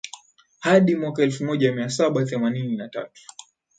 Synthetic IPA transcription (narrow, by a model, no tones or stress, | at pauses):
haɗimwakaɛlfumɔʄamiasaɓaθɛmanininata̰tu̥